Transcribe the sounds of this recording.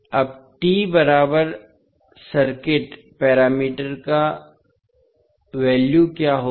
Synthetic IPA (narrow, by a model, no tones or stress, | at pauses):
ɐb̚ʈiːbɐɾaːbəɾ | sɐɾkɪʈ | pɛːɾaːmiːʈəɾka | ʋɛːljukjaːɦo